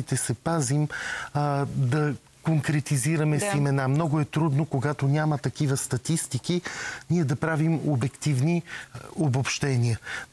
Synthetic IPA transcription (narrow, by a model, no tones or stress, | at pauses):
it̪ɛsɛpazim | d̪ɐ | koŋkɾɛt̪iziɾɐmɛsimɛnamnɔɡʊɛt̪ɾud̪nokoɡat̪onʲamɐt̪ɐkivəst̪ɐt̪ist̪ikiniɛd̪ɐpɾavimo̰bɛkt̪ivniobopʃt̪ɛnʲiə